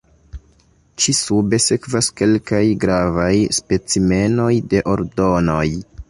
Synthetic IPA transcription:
t͡ʃisube̞se̞kvaske̞lkajɡɾavajspe̞t͡sime̞no̞jde̞ʔo̞ɾdo̞no̞j

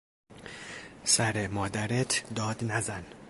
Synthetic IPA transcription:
sæɾemɒːd̪æɾet̪ʰd̪ɒːd̪næzæn

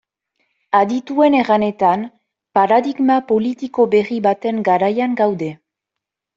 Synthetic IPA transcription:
aðit̪ue̞ne̞ɣane̞t̪an | paɾaðiɡmapo̞lit̪iko̞be̞riβat̪e̞ŋɡaɾajaŋɡawðe̞

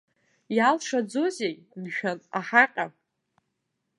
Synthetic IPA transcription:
jalʂad͡zo̞zej | nʒᶣanaħaqʲʼa

